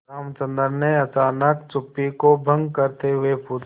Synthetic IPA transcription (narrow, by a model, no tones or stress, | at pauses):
aːmt͡ʃə̃nd̪əɾneɐt͡ʃaːnəkt͡ʃʊpːikobʱə̃ŋɡkəɾt̪eɦʊepʰuːd̪